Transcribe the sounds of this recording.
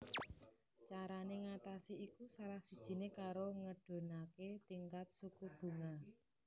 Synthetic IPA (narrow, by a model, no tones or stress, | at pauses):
t͡ʃaɾaneŋat̪asiikusaɾahsid̥ʒ̥i̤nekaɾoŋəɖ̥o̤naket̪iŋkat̪̚sukub̥ṳŋa